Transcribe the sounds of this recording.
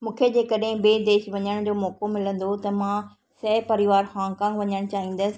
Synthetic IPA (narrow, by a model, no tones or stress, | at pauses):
mũːkʰed͡ʑeːkɐɗɦɪ̃beːd̪eːʃʋɐɲəɽ̃d͡ʑoːmɔːkomɪlə̃nd̪ot̪ɐmãː | sɛːpɐɾɪʋaːɾhaːŋkãːŋɡʋɐɲəɽ̃t͡ɕaːɦĩːn̆d̪əsɪ̥